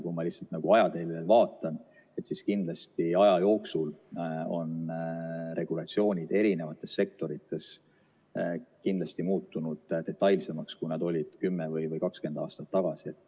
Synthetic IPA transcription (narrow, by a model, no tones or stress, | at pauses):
kumɑlihtsɑlt̪nɑɡ̥uɑjɑd̪e̞lelvɑːt̪ːˑɑn | e̞t̪siskind̪lɑst̪iɑjɑjo̞ːksulo̞̰n | re̞ɡ̥ulɑt̪sio̞ːnʲid̪̥e̞ɾine̞vɑt̪ːˑe̞sːe̞k̚t̪o̞ɾit̪ːˑe̞s | kind̪lɑst̪imuːt̪ːˑunud̪̥t̪e̞t̪ːˑɑjlse̞mɑkskujnɑd̪o̞lʲid̪̥kymːevɤjvɤjkɑkske̞nd̪ɑːst̪ɑt̪ːɑɡ̥ɑsiet̪ːˑ